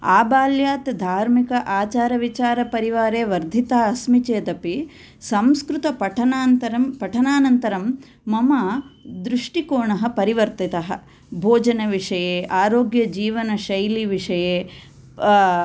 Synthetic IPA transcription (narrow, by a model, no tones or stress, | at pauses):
aːbaːljaːt̪d̪ʱaːɾmikɐʔaːt͡ʃaːɾɐʋit͡ʃaːɾɐpɐɾiʋaːɾeːʋɐɾd̪ʱit̪aːɐsmit͡ʃeːd̪ɐpi | sɐmskɾut̪ɐpɐʈʰɐnaːnt̪ɐɾɐmpɐʈʰɐnaːnɐnt̪ɐɾɐmː | ɐmad̪ɾuʂʈikoːɳɐɦɐpɐɾiʋɐɾt̪it̪ɐɦɐ̰ | bʱoːd͡ʒɐnɐʋiʂɐjeːʔaːɾoːɡjɐd͡ʒiːʋɐnɐʃɐjliʋiʂɐjeː